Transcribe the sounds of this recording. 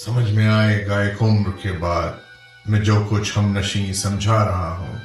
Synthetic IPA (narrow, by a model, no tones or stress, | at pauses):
sɐməd͡ʒʱmẽaːeːɡaeːkʊmɾkebaːd̪ | mɛ̃ːd͡ʒoːkʊt͡ʃʰhɐmnɐʃĩːnsɐ̃md͡ʒʱaɾɐɦaɦṵ̃ː